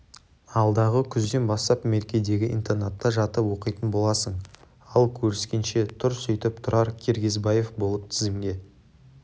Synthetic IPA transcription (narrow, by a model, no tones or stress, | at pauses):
ɑlˠd̪ɑʁəkʲʰʏzd̪e̞nbɑst̪ɑpmeɾkʲe̞d̪e̞ɡʲɪʔḭjnt̪ernat̪ːɑʒɑt̪əpwo̞qijt̪ənbo̞lˠɑsəɴ | ɑlˠkʲʰɵɾɪskʲenʃe̞t̪ʰʊɾsʏjt̪ɪp̚t̪ʰʊɾɑɾkʲʰe̞ɾɡʲe̞zbɑje̞fbo̞lˠəp̚t̪ʰɪzɪmɡʲe̞